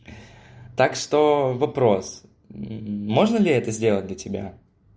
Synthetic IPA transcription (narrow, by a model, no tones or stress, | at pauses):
t̪akʂt̪o̞vɐpɾo̞s̩ | mo̞ʐnəlʲɪɛt̪əzʲdʲelˠət̚ʲd̪lʲɐtʲɪbʲa̰